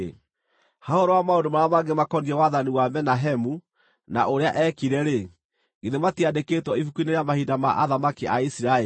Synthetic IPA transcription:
hahoɾɔwamaondomaɾamaɡemakɔniɾɛwaðaniwamɛnaɦɛmu | na̰ʔoɾeaʔɛkiɾɛɾe | ɡ̥eðematiadeketwɔifukuineɾejamahidamaʔaðamakiʔaisiɾae

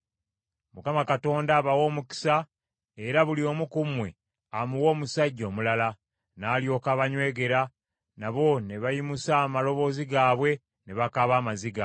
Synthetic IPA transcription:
mukamakato̞ːndaːβawo̞ːmuki̥sa | e̞ɾaβulio̞mukumwe̞̰ | amuwo̞ːmusaɟːo̞ːmulala | naːljo̞kaβaɲwe̞ːɡe̞ɾa | naβo̞ne̞βajimusaːmalo̞βo̞ːziɡaːβwe̞ | ne̞βakaβaːmaziɡa

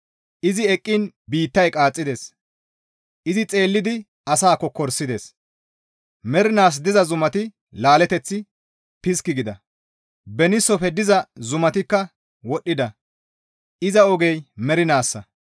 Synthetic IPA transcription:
ʔɪzɪɛkʼːɪnbiːt̪ːɐjkʼaːt͡sʼːɪd̪e̞ːs | ʔɪzɪt͡sʼe̞ːlːɪd̪ɪ | ɐsaːkːɔkɔɾsːɪd̪e̞ːs | mɛɾɪnaːs̬d̪ɪzɐzʊmɐt̪ɪ | laːlɛt̪ɛt͡sːɪ | pɪskːɪɡɪd̪ɐ | bɛnɪsːɔfɛd̪ɪzɐzʊmɐt̪ɪkːɐ | wɔɗːɪd̪ɐ | ʔɪzɐɔɡɛjmɛɾɪnaːsːɐ

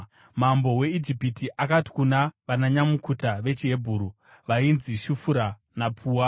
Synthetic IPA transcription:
m̤ambo̞we̞id͡ʒipitiʔakati̥kunaʋanaɲamukʰutaʋe̞t͡ʃiɦe̞bʱuːɾu | ʋainziʃufuɾa | napʰuːwa

